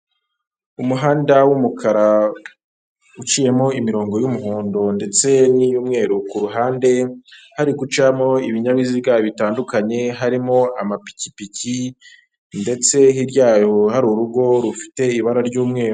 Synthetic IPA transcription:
umuɦaːndawumukʰaɾa | ut͡ʃije̞mo̞imiɾo̞ːŋɡo̞jumuɦuːndonde̞t͡se̞nijuːmŋe̞ːɾukuɾuɦaːnde̞haɾikut͡ʃamo̞iβiɲaβiziɡaβitaːndukaɲe̞ɦaɾimo̞amapi̥ci̥pici | nde̞t͡se̞ɦiɾɟaːhohaɾuɾuɡo̞ɾufi̥te̞iβaɾaɾɟuːmŋe̞ːɾu

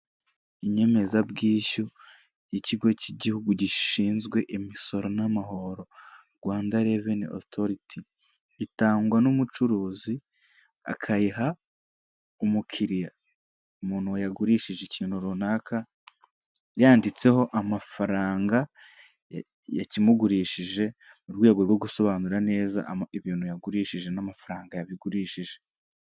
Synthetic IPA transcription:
iɲe̞me̞zabɡiːʃu | jiciɡo̞ciɟihuɡuɟiʃiːnzɡwe̞ʔemiso̞ɾo̞namaɦo̞ɾo̞ɾɡwaːndaɾe̞veno̰toɾitʰiː | taːŋɡwanumut͡ʃuɾuːzi | a̰kʰajiɦa | umukʰiɾija | umuːn̥huwajaɡuɾiʃiʒecinhuɾunaːkʰa | jaːndit͡se̞ɦo̞ʔamafaɾaːŋɡa | ja̰cimuɡuɾiːʃiʒe̞ | muɾɡwiaɡeɡwo̞ɡuso̞βaːnuɾane̞ːza̰iβiːnhujaɡuɾiːʃiʒe̞namafaɾaːŋɡajaβiɡuɾiːʃiʒe̞

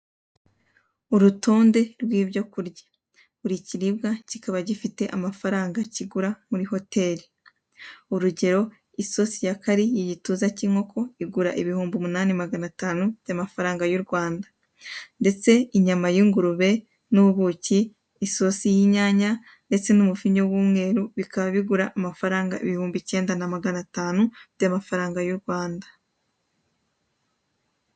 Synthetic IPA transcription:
uɾutʰo̞ːnde̞ɾɡwiːbɟo̞kuɾɟḁ | uɾiciɾibɡacikaβaɟifite̞ʔamafaɾaːŋɡaciɡuɾamuɾiho̞te̞ːɾi | uɾuɟe̞ɾo̞ | iso̞sijakaɾijiɟituːzaciːŋ̥o̞kʰo̞iɡuɾaʔiβihuːmbumunaːnimaɡanataːnub̥jamafaɾaːŋɡajuɾɡwaːndḁ | nde̞t͡se̞iɲamajiːŋɡuɾuβe̞ | nuβuβuciː | so̞sijiɲaːɲa | nde̞t͡se̞numufiɲo̞wuːmŋe̞ːɾuβikaβaβiɡuɾaʔːmafaɾaːŋɡa̰ḭβihuːmbice̞ːndanamaɡanataːnub̥jamafaɾaːŋɡajuɾɡwaːndḁ

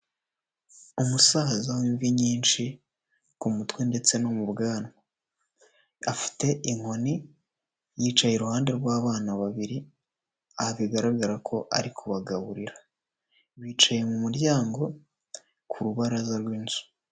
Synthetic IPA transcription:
umusazawiːɱviɲiːnt͡ʃi | kumutwende̞t͡se̞nomuβɡaːnwa | afi̥te̞ʔiŋ̥o̞ni | jiːt͡ʃaje̞ɾuhaːnde̞ɾɡwaːβaːnaβaβiɾi | aβiɡaɾaɡaɾakʰo̞ʔa̰ɾikʰuβaɡaβuɾiɾa | βiːt͡ʃaje̞mumuɾɟaːŋɡo̞ | kʰuɾuβaɾazaɾwiːnz̥u̥

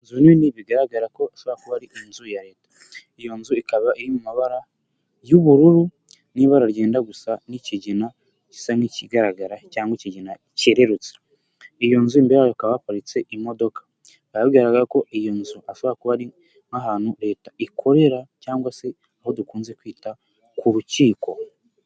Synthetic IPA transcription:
nzunniβiɡaɾaɡaɾako̞aʃoβoakuβaɾiʔinzujaɾe̞ːtḁ | ijo̞nzuikaβaʔiɾimumaβaɾa | juβuɾuɾu | niβaɾaɾɟe̞ːndaɡusaniciɟina | ci̥saniciɡaɾaɡaɾacaːŋɡwiciɟina | ceɾe̞ɾut͡se̥ | ijo̞nzuimbeɾeajoakaβaːpaɾit͡se̞ʔimo̞do̞kḁ | βajaβɡiɾaɡaɾako̞ʔijo̞nzuaʃoβoɾakuβaɾi | ŋaɦanhuɾe̞ːtaʔikʰo̞ɾe̞ɾacaːŋɡwase̞ | aho̞dukuːnze̞kwiːta | kuɾuciːko̞

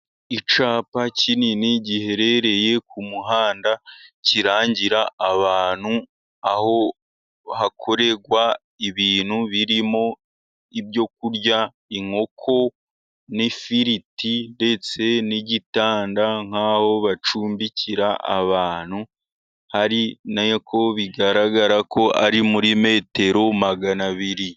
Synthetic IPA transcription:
it͡ʃaːpacininiɟihe̞ɾe̞ɾe̞je̞kʰumuɦaːndaciɾaːɲɟiɾaːβaːn̤̥u | aho̞ | hakʰo̞ɾe̞ɡwa | iβiːn̥huβiɾimo̞ | ibjo̞k̚uɾɟa | iŋo̞kʰo̞ | nifiɾitinde̞t͡se̞niɟitaːndaŋ̥aːho̞βat͡ʃuːmbiciɾaʔa̰βaːn̥hu | haɾinakʰo̞βiɡaɾaɡaɾakʰo̞ʔaɾimuɾime̞ːte̞ɾo̞maɡanaβiɾi

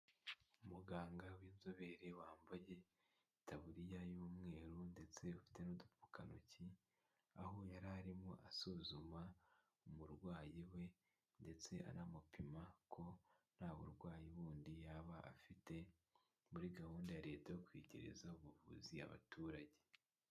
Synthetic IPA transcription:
umuɡaːŋɡawiːnzoβe̞ɾewaːmbaje̞ | tʰaβuɾijajuːmŋe̞ːɾunde̞t͡se̞ufi̥te̞nodupu̥kanṵci | aho̞jaɾaɾimoʔasuzuma | omuɾɡwaːjiwe̞ | nde̞t͡se̞ʔa̰ɾamupimakʰo̞n̥haːβo̰ɾɡwaːjiβuːndijaβaʔa̰fite̞ | muɾiɡahuːndajaɾe̞ːtajokwiːɟḛɾḛzauβuvṵzia̰βa̰tʰuːɾaɟe̞

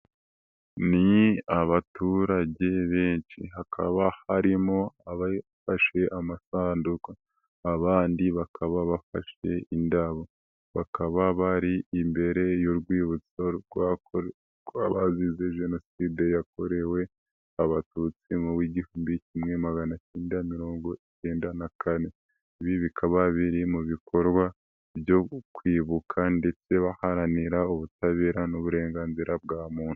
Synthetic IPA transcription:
niaβatuɾaɟe̞βe̞ːnʃḭɦakʰa̰βahaɾimo̞aβafaʃe̞ʔamasaːndukaː | βaːndiβakʰaβaβafa̰ʃe̞̰indaβo | βakaβaβaɾiimbe̞ɾe̞joɾɡwiːβut͡soɡwa | ɡwaβazize̞ʒe̞no̞sidejak̚o̞ɾe̞we̞ | aβatuːt͡simuwiɟihuːmbicimŋe̞maɡanaceːndamiɾo̞ːŋɡo̞it͡ʃeːndanakʰane̞ | βiβikʰaβaβiɾimuβikʰo̞ɾɡwa | bjo̞kwiːβukʰande̞t͡se̞βahaɾaniɾauβutaβe̞ːɾanuβuɾe̞ːŋɡaːnziɾab̚ɡaːmuːn̥hu̥

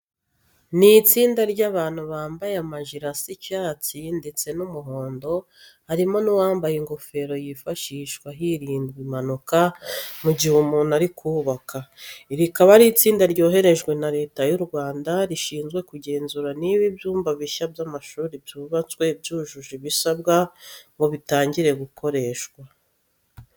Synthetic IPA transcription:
nit͡siːndaɾɟaβaːn̥huβaːmbajeamaʒiɾasicaːt͡sinde̞t͡se̞numuɦo̞ːndo̞ | haɾimo̞nuwaːmbajiŋɡo̞fe̞ɾo̞jifaʃiʃwaɦiɾiːndɡimanukamuɟihumuːnaɾikʰuːβakaiɾikaβaɾit͡siːndaɾɟo̞ːɦe̞ɾe̞ʒɡwe̞naɾe̞ːtajuɾɡwaːndaɾiʃiːnzɡwe̞kuɟe̞ːnzuɾaniβibjuːmbaβiʃabjamaʃuːɾibjuːβat͡swe̞bjuʒuʒiβisabɡaŋɡoβitaːɲɟiɾe̞ɡukʰo̞ɾe̞ːʃwa

